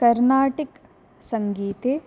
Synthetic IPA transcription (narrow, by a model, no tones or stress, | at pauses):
kɐɾnaːʈik | sɐŋɡiːt̪e